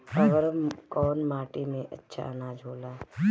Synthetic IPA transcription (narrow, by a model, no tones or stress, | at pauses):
əʋəɾkɔːnmaːʈimẽʔətːʃʰa̰nad͡ʒʱoːlaː